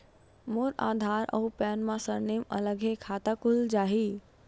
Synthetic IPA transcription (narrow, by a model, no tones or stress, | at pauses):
moːɾa̰ːd̪ʱaːɾɐ̰upɛːnmãsəɾneːmɐ̰ləɡɦekʰaːt̪akʊld͡ʑaːɦiː